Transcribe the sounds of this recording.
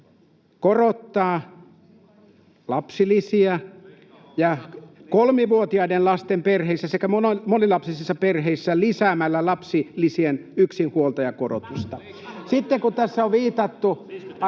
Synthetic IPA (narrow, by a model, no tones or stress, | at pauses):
korot̪ːɑː | lɑpsilisiæ | jɑkolmiʋuot̪iɑidenlɑst̪emperheisːæsekæmonmonilɑpsisisːɑperheisːælisæːmælːælɑpsilisienyksinhuolt̪ɑjɑkoro̰t̪ust̪ɑ | sit̪ːekut̪æsːæoʋʋiːt̪ɑt̪ːu